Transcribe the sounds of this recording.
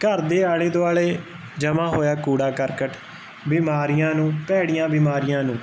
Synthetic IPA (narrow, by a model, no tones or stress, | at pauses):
kəɾd̪eːaːleːd̪oaːɭeː | d͡ʒəmãːɦoːjaːkuːɽaːkəɾkəʈʰ | biːmaːɾɪjãːnũːpɛːɽɪjãːbiːmaːɾɪjãːnũː